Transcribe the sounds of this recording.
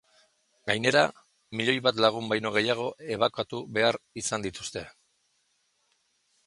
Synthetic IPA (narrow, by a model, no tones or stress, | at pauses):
ɡajne̞ɾa | miʎo̞jβat̪laɣ̞umbajno̞ɣ̞e̞jaɣ̞o̞ʔe̞β̞akat̪uβe̞aɾisand̪it̪u̥st̪e̞